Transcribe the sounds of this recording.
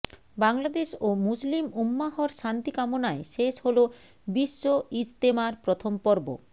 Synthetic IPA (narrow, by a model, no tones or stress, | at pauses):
baŋlad̪eʃomuslimumːaɦoɾʃant̪ikamonaeʃeʃholo | biʃːoist̪emaɾpɾot̪ʰompɔɾbo̰